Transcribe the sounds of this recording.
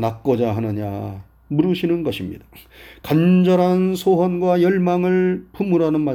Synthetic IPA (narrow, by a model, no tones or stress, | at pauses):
nak̚k͈ʌd͡ʑaɦanɯɲa̰ | muɾɯɕʰinɯnɡʌɕʰimɲḭd̥ḁkand͡ʑʌɾansʰoɦʌnɡwajʌɭmaŋɯɭpʰumɯɾanɯnma